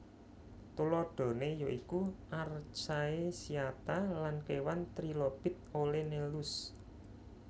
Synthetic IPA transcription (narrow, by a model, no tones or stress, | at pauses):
t̪ulɔɖ̪̥o̤nejoʔikuʔart͡ʃaesiat̪alankewant̪ɾilob̥ɪ̤t̪̚olenelʊs